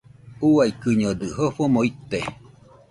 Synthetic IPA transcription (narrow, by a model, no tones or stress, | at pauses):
uajkɯɲod̪ɯɦoɸomoit̪e